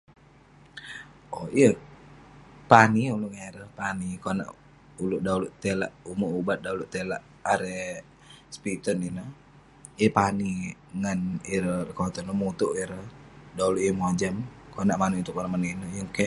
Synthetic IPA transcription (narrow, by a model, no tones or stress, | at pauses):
ɔiə | paniuluʔŋeɾəpanikona̰ʔ | uluʔdauluʔt̪elaʔumuubat̪̚dauluʔt̪elaʔːɾe | spit̪əninə | iəpaniŋaniɾərkot̪ɔnomut̪uʔiɾədauluʔjəmod͡ʒamkonaʔmaniunt̪ʊk̚anaʔmaninəjəŋke